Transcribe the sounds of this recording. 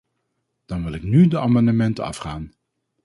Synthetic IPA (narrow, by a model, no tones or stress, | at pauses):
d̥ɑnʋɪlˠɪknydəaːmɑndəmɛntəɑ̰fχaːn